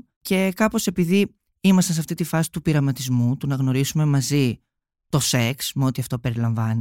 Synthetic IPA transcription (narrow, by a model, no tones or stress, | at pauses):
ce̞kɐpo̞se̞piði | imɐst̪ɐns̬ɐft̪it̪ifɐsi̥t̪upiɾɐmɐt̪izmut̪unɐɣno̞ɾisume̞mɐzi | t̪o̞se̞ksmeo̞t̪iɐft̪o̞pe̞ɾilɐɱvɐni